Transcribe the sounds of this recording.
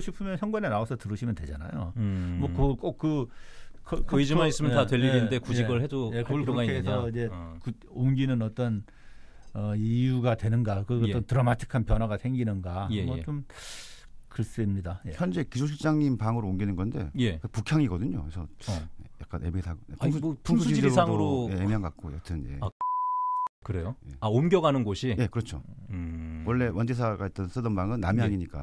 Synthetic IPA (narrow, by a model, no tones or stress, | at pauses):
ɕʰipʰɯmjʌnçjʌŋɡwanenaosʰʌtɯɾɯɕʰimjʌntwe̞d͡ʑana̰jo̰mwʌkɯk͈ok̚k͈ːɯkʰʌkʰʌid͡ʑimais͈ɯmjʌntantweʎːiɾinɯndekud͡ʑiɡɯɭhedojekɯiɾaeːsʰʌid͡ʑe̞kɯ | onɡinɯnʌt͈ʌn | ʌijuɡatwe̞nɯnɡakɯʌt͈ʌntɯɾʌmatʰɯ̥kʰanpjʌnɦwaɡasʰeŋɡinɯnɡamʌt͡ɕom | kɯɭs͈ɯmɲidajeçjʌnd͡ʑe̞kisʰoɕʰiɭt͡ɕ͈aŋimpaŋɯɾoomɡinɯnɡʌnde̞̰jekɯpukʰjaŋiɡʌdɯɲokesʰʌeja̰k͈a̰nemisʰaɡepuŋsud͡ʑidesaŋɾojeemiɦaŋɡak̚k͈oja̰k̚tʰɯnjḛ | kɯɾejojḛaomɡjʌɡanɯnɡoɕʰije̞kɯɾʌt͡ɕʰo | wʔʌɭːe̞wʌnd͡ʑes̬ʰaɡait͈̚ʌns͈ʰɯdʌmbaŋɯnːa̰miɦaŋiɲik͈a̰